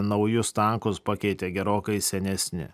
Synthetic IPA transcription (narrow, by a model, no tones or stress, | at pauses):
nɒʊjʊst̪ɐŋkʊspɐkʲɛɪt̪ʲeːɡʲɛɾoːkɐɪsʲɛnʲɛsʲnʲɪ̰